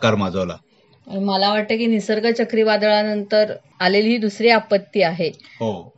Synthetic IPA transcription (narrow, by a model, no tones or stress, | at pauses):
kaɾmad͡zʱəʋla̰ | məlaʋ̤aʈ̚t̪əkiːnisəɾɡət͡ɕəkɾiːʋad̪ɭanənt̪əɾ | alelɦiːd̪usɾiapət̪ːiːaɦeɦo